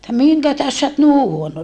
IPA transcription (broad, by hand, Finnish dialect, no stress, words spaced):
etːæ miŋkæ tæhes sæ ot ni huono